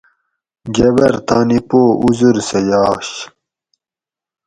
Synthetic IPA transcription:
ɡɐbɐɾt̪aːnipoːuzuɾsejaːɕ

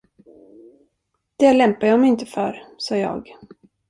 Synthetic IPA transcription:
d̪̥ɛlɛmpajɑːmɛɪnt̪əfœɾsɑːjɑ̰ːɡ

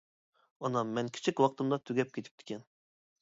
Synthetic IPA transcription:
ɒnɑmmɛnkʲʰi̥t͡ʃʰikʲwɑqt̪ɨmd̪ɑt̪ʰyɡʲɛp̚kʲet̪ʰɪ̥p̚t̪ʰɪ̥kʲʰɛn

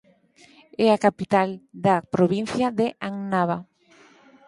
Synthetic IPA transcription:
ɛakapit̪ald̪apɾoβin̟θjaðeʔaŋnaβa

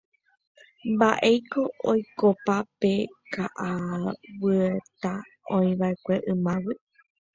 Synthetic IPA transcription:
mbaʔe̞jko̞ʔojkopape̞kaʔawɨet̪a | õĩʋaekʷe̞ʔɨ̃mãwɨ

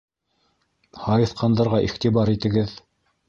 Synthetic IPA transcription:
hɑjɤ̆θqɑnd̪ɑɾʁɑʔiχt̪ibɑɾit̪ɘ̆ɡɘð

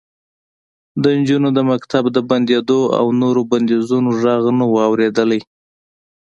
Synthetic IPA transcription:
d̪ənd͡ʒunod̪əmakt̪abd̪əband̪ed̪oa̰wnoɾoband̪ezunoʒɑɣnawːwɾed̪əlaj

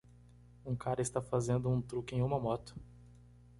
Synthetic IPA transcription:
ũkaɾɐɪst̪afazẽnd̪ʊũt̪ɾukɪẽj̃ũmɐmɔt̪ʊ̥

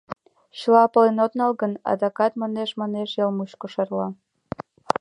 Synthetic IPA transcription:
ɕlɑpə̆lenod̪nɑlɣənɑ̰d̪ɑkɑt̪mɑneʃmɑneʃjɑlmuɕkoʃɑrlɑ

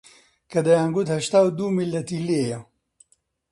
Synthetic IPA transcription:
kɐd̪ɐjaːŋɡut̪hɐʃt̪aːwd̪uːmilːɐt̪ilejɐ

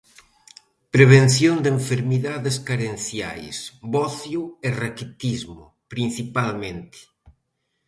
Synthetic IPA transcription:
pɾeβ̞enθjond̪eɱfeɾmiðaðeskaɾenθja̰jsβɔθjuerakit̪izmʊ̰ | pɾin̟θipalmẽnt̪ɪ̥

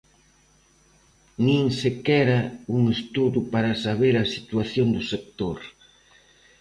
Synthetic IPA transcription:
nĩŋsekɛɾɐuŋest̪uðupaɾɐsaβeɾɐsit̪uaθjond̪ʊsek̚t̪oɾ

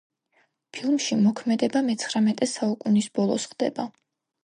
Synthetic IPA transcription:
pʰilˠmʃimɔkʰmɛd̪ɛbamɛt̪sʰχɾamɛt̪ʼɛsaukʼunisb̥ɔlˠɔsχd̪ɛ̰ba

